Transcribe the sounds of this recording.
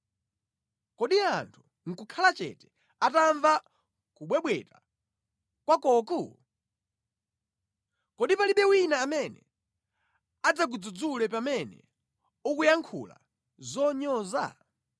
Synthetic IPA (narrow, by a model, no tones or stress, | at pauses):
kɔɗiantʰu̥ | ŋ̩kukʰalat͡ʃɛ̰tɛ̥ | ataɱva | kuɓwɛɓwɛta | kwakɔːku | kɔɗipaliɓɛwinaːmɛnɛ̰ | ad͡zak̬ud͡zud͡zulɛpamɛnɛ̰ | ukujaŋkʰṵla̰ | zɔɲɔːza̰